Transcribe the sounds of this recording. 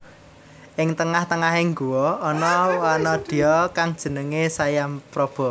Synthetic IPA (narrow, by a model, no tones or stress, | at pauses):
ʔɪŋt̪əŋaht̪əŋaɦɪŋɡuwɔːnɔwanɔd̪̥i̤jɔkaŋd̥ʒ̥ə̤nəŋesajampɾɔb̥ɔ̤